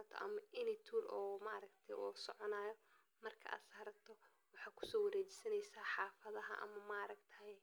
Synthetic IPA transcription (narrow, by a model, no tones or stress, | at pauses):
t̪ʰɔ̰ʔɐ̰mɐʔɪnɪt̪ʰuːɾɔːmaːɾɐkt̪ʰɐjʔusɔʕɔnaːjɔ | mɐrkʰɐ̰ʔa̰ːd̪sɐhɐɾɐt̪ʰɔ | wɑħɑːkʰʊ̥sɔːwɐɾɛːt͡ʃɪ̥sɐnɛjsaːħɑːfɐðɐɦɐ̰ʔɐ̰mɐmaːɾɐɡt̪ʰɐhɛ